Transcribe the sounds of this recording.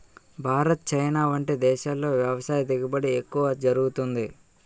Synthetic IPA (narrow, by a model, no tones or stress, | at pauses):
bʱaːɾɐt̪̚t͡ʃɐjnaːʋɐɳʈed̪ɛːʃaːlːo̞ːʋjɐʋɐsaːjɐd̪iɡibɐɽiekːuʋɐd͡ʒɐɾuɡut̪und̪i